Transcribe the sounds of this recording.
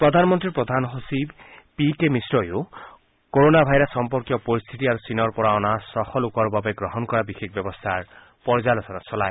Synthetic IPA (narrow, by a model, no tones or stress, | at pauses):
pɹɔd̪ʱanmɔnt̪ɹiɹpɹɔd̪ʱanɦosibpikemisɹɔjo | koɹonabʱajɾɔsɔmpɔɹkjɔpɔɹist̪ʰit̪iaɹusinɔɹpɔɹaɔnasɔxɔlukɔɹbabeɡɹɔɦɔnkɔɹabixekbjɔbɔst̪ʰaɹ | pɔɹzalɔt̪ʰɔnasɔlaj